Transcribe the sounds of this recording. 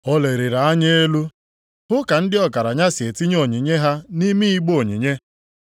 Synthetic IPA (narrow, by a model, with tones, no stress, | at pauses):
ɔ˦le˨ɾɪ˨ɾa˨a˦ɲe˦e˦lu˦ | ɦʊ˦ka˨n̩˦dɪ˦ɔ˨ka˨ɾa˨ɲa˦sɪ˨e˨ti˦ɲ˦o˨ɲi˨ɲe˦ɦa˦ni˦mi˦i˦ɡ͡bo˨ɲḭ˨ɲe˦